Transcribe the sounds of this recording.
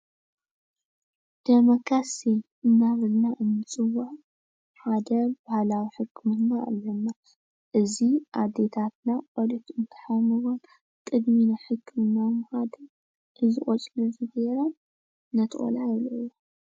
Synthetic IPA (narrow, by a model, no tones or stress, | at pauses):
d̪̥emokʰɾasi | ɨnːaβɨlnaʔɨnːɨt͡sʼɨwa | ħad̪ɐbahalawiħɨkʰːɨmɨnːaɨ̰lːɐnːa | ʔɨziʔad̪et̪ʰat̪̚naʔolit̪ɨnt̪ʰɨ̥ħajmɨwon | kʼɨd̪minaħɨkʰːɨmɨnːamħad̪ɐ | ʔɨzɨχʼot͡ʃʼlɐzɨɡeɾɐm | nɐt̪ʰʼo̰lajiloːo